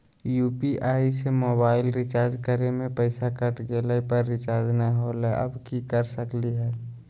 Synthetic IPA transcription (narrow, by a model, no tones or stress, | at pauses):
juːpiʔaːisemoːbaːɪlɾɪt͡ʃaːɾd͡ʒkəɾemẽpəɪsakəʈɡeːləpəɾːɪt͡ʃaːɾd͡ʒnãɦoːleʔə̰bkikəɾsəkliɦɛː